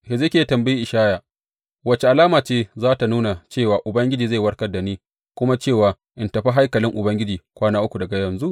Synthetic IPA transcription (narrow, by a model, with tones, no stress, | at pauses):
hɪ˨zɪ˦kʲe˦tɐ˨mbɐ˦ji˦ʔɪ˨ʃaː˦jaː˨ | wɐ˦t͡ʃe˨ʔa˨laː˦maː˨t͡ʃeː˦zaː˦ta˨nuː˦na˨t͡ʃeː˦˨waː˨ʔʊ˨bɐ˦ŋɡʲɪ˦d͡ʒiː˨za˦˨wɐ˦rkɐ˦rda˨niː˦ | kʷʊ˦ma˦t͡ʃeː˦˨waː˨ | ʔɪ˨ntɐ˨ɸa˦ɦa˦jkɐ˨lɪ˦ŋʔʊ˨bɐ˦ŋɡʲɪ˦d͡ʒiː˨kʷaː˦naː˦ʔʊ˦kʷu˨dɐ˨ɡa˨jɐ˨nzu˦ʔ